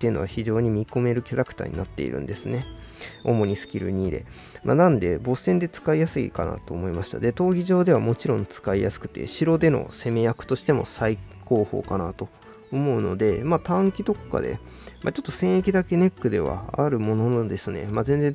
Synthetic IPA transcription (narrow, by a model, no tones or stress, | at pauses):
t̪ːeiɯ̟no̞βa̰çiʑo̞ːɲ̟imʲiko̞me̞ɾɯ̟kʲaɾakɯ̟̥a̰ːɲ̟ḭnat̪ːe̞̰ḭɾɯ̟̰̃nd̪e̞sɨne̞o̞̰mo̞ɲ̟isɨ̥kʲiɾɯ̟̰ɲ̟iːɾe̞̰ | ma̰nãnd̪e̞bo̞sẽ̞nd̪e̞t͡sɨ̥kaijasɨḭkana̰t̪o̞ːmo̞imaɕi̥t̪a̰d̪e̞t̪o̞ːɡʲiʑo̞ːd̪e̞β̞amo̞t͡ɕiɾõ̞nt͡sɨ̥kaijasɨ̥kɯ̟̥t̪e̞̰ɕiɾo̞d̪e̞no̞̰se̞me̞jakɯ̟̥t̪o̞ɕi̥t̪e̞mo̞̰saiko̞ːho̞̰ːkanat̪o̞ | omo̞ɯ̟no̞̰d̪e̞mat̪ãŋkʲit̪o̞kːa̰d̪e̞̰ | ma̰t͡ɕo̞t̪ːo̞sẽ̞ɰ̃e̞kʲid̪ake̞ne̞kːɯ̟d̪e̞βa̰a̰ɾɯ̟mo̞nond̪e̞sɨne̞̰maze̞nd͡zẽ̞